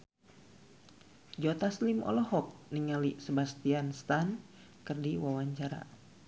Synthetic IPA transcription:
d͡ʒot̪aslimʔɔ̰lɔhɔk̚niŋalisəbast̪ianst̪an | kərdiwawaɲt͡ʃaɾa̰

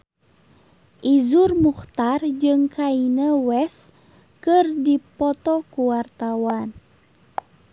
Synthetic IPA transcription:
ʔizurmuxt̪ard͡ʒɨŋkʰainəwɛs | kɨrdipɔt̪ɔkuwart̪awan

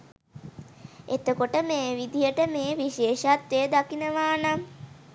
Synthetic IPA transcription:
et̪əkoʈəmeːʋid̪ijəʈəmeːʋiʃeːʃat̪ʋejəd̪akinəʋaːna

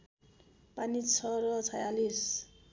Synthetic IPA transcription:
panit͡sʰʌɾʌt͡sʰajalis

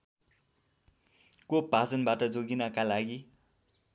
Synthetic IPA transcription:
kopad͡zʌnbaʈʌd͡zoɡinʌkalaɡi

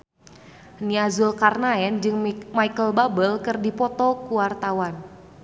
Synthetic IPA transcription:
niazulkarnaɛnd͡ʒɨŋmajkəlbabəlkɨrdipɔt̪ɔkuwart̪awan

